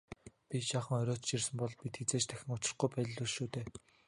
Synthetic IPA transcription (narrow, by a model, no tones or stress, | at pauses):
pʲiʃaːχə̆ŋɔɾʲɔːt͡ɕt͡ɕirsɘ̆mpɔɮpit̪xet͡seːt͡ɕt̪ʰæxʲɪ̆ŋʊt͡ɕɪ̆rχɡujpæːt̆ɮuɮʃuːt̪eː